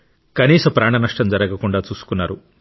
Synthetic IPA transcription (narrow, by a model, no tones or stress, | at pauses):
kɐniːsɐmpɾaːɳɐnɐʂʈɐmd͡ʒɐɾɐɡɐkuɳɖaːt͡ʃuːsu̥kunːaːɾu